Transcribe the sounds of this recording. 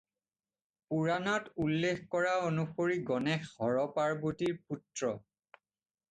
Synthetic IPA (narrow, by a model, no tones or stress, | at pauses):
puɹanɔtulːexkɔɹaonupoɹiɡɔnɛxhɔɹɔpaɹbutiɹputɹɔ